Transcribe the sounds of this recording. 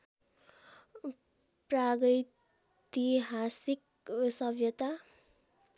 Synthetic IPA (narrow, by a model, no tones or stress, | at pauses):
praɡʌj | t̪iɦasik | sʌbʱjʌt̪a